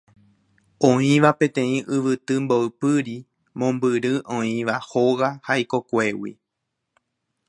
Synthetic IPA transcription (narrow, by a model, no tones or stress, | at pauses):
õĩʋapẽ̞t̪ẽ̞ĩʔɨʋɨt̪ɨmboɨpɨɾi | mõ̞mbɨɾɨʔõĩʋahoɣahaiko̞kʷe̞wḭ